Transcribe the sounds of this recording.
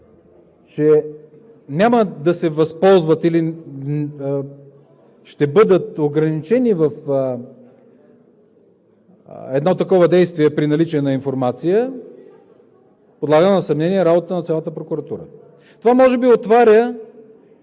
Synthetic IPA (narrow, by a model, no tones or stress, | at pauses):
t͡ʃɛ | nʲaməd̪ɐsɛvɐspɔlˠzvət̪ili | ʃt̪ɛbɤd̪ət̪oɡɾɐnit͡ʃɛnivɐf | ɛd̪nɔt̪ːɐkɔvəd̪ɛjst̪viɛpɾinɐlit͡ʃiɛnɐinfoɾmat̪sijə | pod̪lˠaɡənɐsɐmnɛniɛɾabot̪t̪ənɐt̪sʲalˠət̪əpɾokuɾɐt̪uɾə̰ | t̪ovamɔʒɛbiot̪vaɾʲə